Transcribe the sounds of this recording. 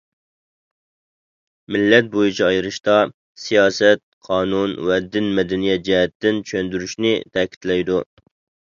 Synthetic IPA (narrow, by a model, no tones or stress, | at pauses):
mɪlːɛt̪̚bojit͡ʃʰiɑjɨɾɨʃt̪ɑ | sijɑːsɛt̪̚qʰɑːnunwɛd̪ɪnmɛd̪ɛnijɛt̪̚d͡ʒɛɦɛt̪ːɪnt͡ʃʰønd̪yɾyʃnɪt̪ʰɛkʲʰi̥t̪lɛjd̪u